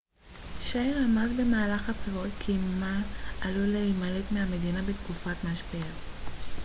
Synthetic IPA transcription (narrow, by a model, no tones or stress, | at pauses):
ʃajʁamazbe̞maːlaχapχeʁotkʰimaaluleimaletmeame̞d̪inabet̪kufatmaʃbia